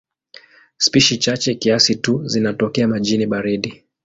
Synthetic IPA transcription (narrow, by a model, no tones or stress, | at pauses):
spiʃit͡ʃat͡ʃɛkiasituzinatɔkɛamaʄiniɓaɾiɗi